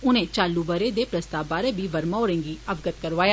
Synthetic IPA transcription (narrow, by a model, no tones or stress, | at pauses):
ʊnẽːt͡ʃaːlːuːbəɾeːd̪eːpɾəst̪aːbaːɾeːbiːʋəɾmaːɾẽːŋɡiːəbɡət̪kəɾʋaːja